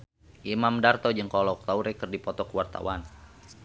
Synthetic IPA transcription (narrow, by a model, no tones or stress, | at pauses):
ʔimamdart̪ɔd͡ʒɨŋkɔlɔk̚t̪auɾɛkɨrdipɔt̪ɔkuwart̪a̰wan